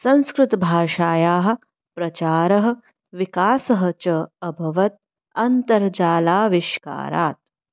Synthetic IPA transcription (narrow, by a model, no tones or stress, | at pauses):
sɐ̃nskɾɪt̪ɐbʱaːʃaːjaːɦɐ̆ | pɾɐt͡ʃaːɾɐɦɐ̆ | ʋikaːsɐɦɐ̆t͡ʃɐɐbʱɐʋɐt̪̚ | ɐnt̪ɐɾd͡ʒaːlaːʋiʃka̰ːɾa̰ːt̪̚